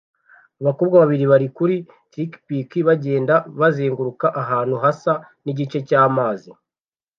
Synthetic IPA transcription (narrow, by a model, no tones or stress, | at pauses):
aβakoːbɡaβaβiɾiβaɾikuɾi | tɾikpikiβaɟe̞ːndaβazeːŋɡuɾukaʔaɦaːn̥huɦasa | niɟit͡ʃe̞caːmaːzi